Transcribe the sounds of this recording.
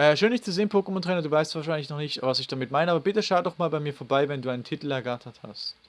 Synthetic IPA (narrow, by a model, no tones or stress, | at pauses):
ʔɛːʃøːndɪçt͡suzeːənpʰoːkəmɔntʁɛːnɐduːvaɪstv̥aːɐʃaɪnlɪçnɔχnɪçtvasɪçd̥amɪtmaɪnəaːbɐbɪtəʃaʊtdɔχmaːlbaɪmiːɐfoɐbaɪvɛnduːaɪnəntʰɪtl̩ɛɐɡatʰɐtha̰st